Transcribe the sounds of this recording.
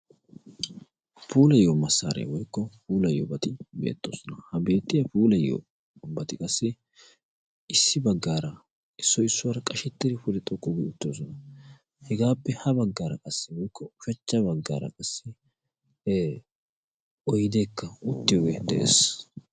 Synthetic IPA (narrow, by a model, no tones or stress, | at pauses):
puːlɐjomɐsːa̰ːɾḛwɔjkːɔpuːlɐjo̰bɐt̪ɪbe̞̰ːt̪ːoːsɔnɐhɐbe̞ːt̪ːɪjɐpuːlɐjːo̰ | bɐt̪ɪkʼɐsːɪ | ɪsːɪbɐɡːaːɾɐ | ɪsːɔɪsːʊwɐɾɐkʼɐʃɪt̪ːɪd̪ɪpʊlɛt̪ʼɔkʼːʊɡɛʊt̪ːɪoːsɔnɐ | hɛɡaːpːɛhɐbɐɡːaːɾɐ̰kʼɐsːɪwɔjkːɔʊʃɐt͡ʃːɐbɐɡːa̰ːɾɐ̰kʼɐsːɪ | ɔjɪd̪e̞ːkːɐʊt̪ːɪjoɡɛd̪ɛʔḛːs